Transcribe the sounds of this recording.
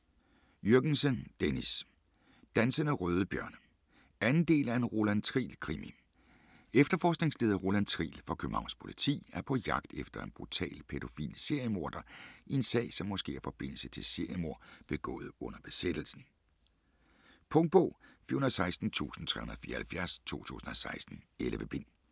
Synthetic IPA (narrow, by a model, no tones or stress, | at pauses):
jøɐɡ̥n̩sənd̥enis | d̥ænsɐnəʁœːð̞ˠəb̥jɶɐn | ænn̩d̥e̝̰ːlæɐe̝nʁo̝lænt͡sʰʁḭːlkʰʁimi | efd̥ɐfɒ̰ːsɡ̥ne̝ŋsle̝ːð̞ˠɐʁo̝lænt͡sʰʁḭːlfɒ̽kʰøb̥m̩hɑ̈ʊnspʰo̝lit͡sʰḭːæɐpʰɒ̽jɑ̈ɡ̥̚d̥efd̥ɐe̝nb̥ʁut͡sʰɛ̰ːlpʰeɾ̥o̝fḭːlse̝ɐ̰jəmo̝ɐ̰d̥ɐie̝nsɛ̰ːɪsɒ̽mːɒ̽sɡ̥e̝̰ːæɐfɒ̽b̥e̝n̰l̩sət͡sʰe̝lse̝ɐ̰jəmo̝ɐ̰b̥e̝ɡ̥ɔ̰̽ːð̞̩ˠɔ̽n̰ɐb̥e̝sed̥l̩sn̩ | pʰɔ̽ŋd̥̚b̥ɔːfyɐunɐsɑ̈ɪsd̥n̩t͡sʰṵːsn̩t͡sʰʁɛ̰hunɐð̩ˠfiːɐhælfjæɐst͡sʰo̝̰ːt͡sʰṵːsn̩ɒsɑ̈ɪsd̥n̩elʋəb̥en̰